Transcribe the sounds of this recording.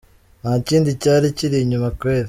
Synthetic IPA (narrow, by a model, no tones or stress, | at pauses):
nhaːciːndicaːɾiciɾiɲumakweːɾe